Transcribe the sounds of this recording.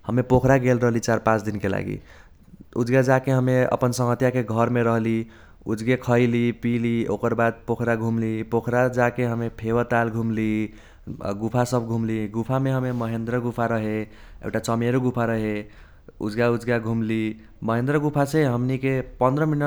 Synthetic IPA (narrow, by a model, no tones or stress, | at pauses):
həmepokʰɾaɡelɾəɦlit͡ʃaɾpãt͡ʃʰd̪inkela̰ɡḭ | ud͡ʒɡad͡ʒakeɦəmeə̰pənsə̃ŋɡət̪jakeɡʱʌɾmeɾəɦli | ud͡ʒɡekʰəjlipilio̰kəɾbad̪̚pokʰɾaɡʱumlipokʰɾad͡ʒakeɦəmepʰewət̪alɡʱumli | ɡupʰasəbɡʱumliɡupʰameɦəmeməɦend̪ɾəɡupʰaɾəɦe | ḛkʈat͡ʃəmeɾuɡupʰaɾəɦe | ṵd͡ʒɡaud͡ʒɡaɡʱumli | məɦẽnd̪ɾəɡupʰaseɦəmnikepənd̪ɾəminə